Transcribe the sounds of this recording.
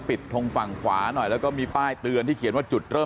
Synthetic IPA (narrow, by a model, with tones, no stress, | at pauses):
pi˨˩t̪ʰːo˧ŋfa˨˩ŋkʰwaː˩˦nɔ˨˩jlɛː˦˥kɔː˥˩miː˧paː˥˩jt̪ɯ˧ənt̪ʰiː˥˩kʰi˩˦nwaː˥˩t͡ɕu˨˩t̪̚ɾɤː˥˩